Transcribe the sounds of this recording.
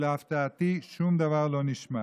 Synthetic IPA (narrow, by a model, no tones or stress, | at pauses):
laft̪at̪iʃumd̪avaʁlɔniʃma